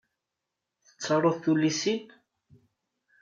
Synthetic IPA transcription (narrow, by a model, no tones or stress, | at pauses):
θə̥t͡sːɑɾˤoθθulːisin